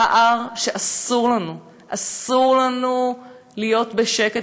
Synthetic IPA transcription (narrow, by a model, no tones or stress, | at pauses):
aʔaʁʃeʔasuʁlanu | ʔasuʁlanu | lijo̞tbeʃe̞ke